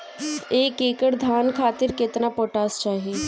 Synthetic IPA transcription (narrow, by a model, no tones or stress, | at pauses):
eːkeːkəɾd̪ʱaːnkʰaːt̪ɪɾkɪt̪napoːʈaːst͡ʃaːɦieː